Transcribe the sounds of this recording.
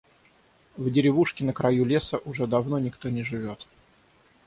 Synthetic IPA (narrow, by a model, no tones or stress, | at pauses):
vdʲɪɾʲɪvuʂkʲɪnəkɾɐjulʲesəʔʊʐɛd̪ɐvno̞nʲɪkt̪o̞nʲɪʐɨvʲo̞t̪